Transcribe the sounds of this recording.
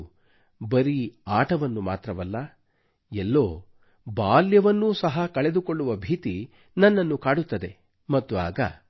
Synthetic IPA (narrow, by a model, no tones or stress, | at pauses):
bɐɾiaːʈʰɐʋɐnːuma̰ːt̪ɾɐʋɐlːɐ | ɛlːoː | baːljɐʋɐnːusɐɦɐkɐɭe̞d̪uko̞ɭːuʋɐbʱiːt̪i | nɐnːɐnːukaːɽut̪ːɐd̪e̞ | mɐt̪ːua̰ːɡɐ̰